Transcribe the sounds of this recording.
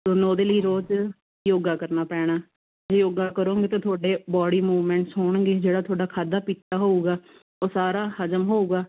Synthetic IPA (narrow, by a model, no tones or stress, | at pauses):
t̪onoːd̪eːləiːɾoːd͡ʒ | joːɡaːkəɾnaːpɛːɽ̃aː | d͡ʒeːjoːɡaːkəɾõːɡeːt̪ãːt̪ʰʊaːɖeːbɔːɽiːmuːʋmɛ̃ːɳʈsɦoːɳ̃ɡeːd͡ʒeːɽaːt̪ʰʊaːɖaːkʰaːd̪aːpiːt̪ːaːɦoːuːɡaː | oːsaːɾaːhəd͡ʒəmɦoːuːɡaː